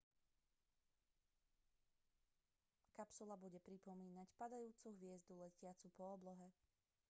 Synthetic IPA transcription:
kapsulabuɟɛpɾipɔmiːnacpad̪ajuːt͡suɦʋɪɛzd̪ulɛcɪat͡supɔːblɔɦɛ

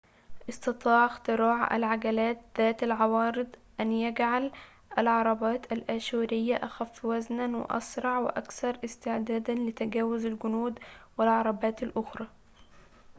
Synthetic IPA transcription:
ʔɪst̪ɑt̪ˤɑːʕɪxt̪ɨɾˤɑːʕa̰lʕaɡalaːt̪̚ðæːt̪alʕɑwɑːɾɨd̪ˤʔanjaɡʕal | ʔalʕɑɾˤɑbɑːt̪alʔaʃuːɾɪjːaʔaxæfːwaznanwɪ̰ʔɑ̰sɾˤɑʕwɪ̰ʔækθɑɾˤʔɪst̪ɪʕd̪aːd̪anlɪt̪aɡæːwʊzalɡʊnuːd̪wɪlʕɑɾˤɑbɑːt̪alʔʊxɾˤɑː

